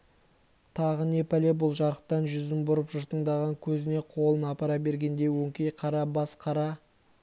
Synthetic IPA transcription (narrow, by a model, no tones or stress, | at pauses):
t̪ʰɑʁəne̞pæle̞bʊlˠʒɑɾəq̚t̪ɑnʒʏzɪmbʊɾəpʒʊɾt̪əɴd̪ɑʁɑŋkʲʰɵzɪne̞qʰo̞lˠənɑpɑɾɑbe̞ɾɡʲe̞nd̪e̞jwɵŋkʲejqʰɑɾɑbɑsqʰɑɾɑ